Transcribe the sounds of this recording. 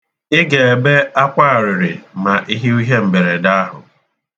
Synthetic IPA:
ɪ˦ɡe˨e˨be˦a˦kʷa˦˨ɾɪ˨ɾɪ˨ma˨ʔi˦ɦi˦u˦ɦe˦m̩˨be˨ɾe˨da˦ɦʊ̰˨

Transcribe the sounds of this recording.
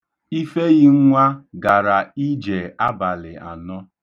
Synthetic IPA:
i˦fe˦ɣi˦ŋ̩˦ŋʷa˦ɡa˨ɾa˨i˦d͡ʒe˨a˦ba˨lɪ˨a̰˨nɔ˦

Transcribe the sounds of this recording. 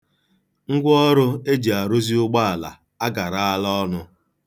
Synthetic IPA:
ŋ̩˦ɡʷɔ˦ɾʊ˦e˦d͡ʒi˨a˨ɾo˦zi˦ʊ˦ɡ͡ba˦a˨la̰˨ | a˦ɡa˨ɾa˦a˦lɔ˦ɔ˦nʊ˦

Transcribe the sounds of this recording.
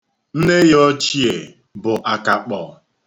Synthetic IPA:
n̩˦ne˦ɣe˦ɔ˦t͡ʃi˦e˨ | bʊ˨ʔa˨ka˨k͡pɔ˨

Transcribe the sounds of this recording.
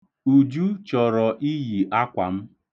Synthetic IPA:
u˨d͡ʒu˦t͡ʃɔ˨ɾɔ˨ʔi˦ɦi˨ʔa˦kʷa̰˨m̩˦

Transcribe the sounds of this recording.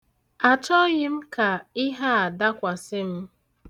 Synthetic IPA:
a˨t͡ʃɔ˦ɣɪ˦m̩˦ka˨ɪ˦ɦa˦a˨da˦kʷa˨sɪ˦m̩˦

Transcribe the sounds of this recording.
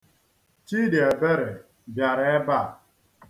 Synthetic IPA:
t͡ʃi˦de˨be˦ɾɪ˨ | bja˨ɾe˦e˦ba˦˨

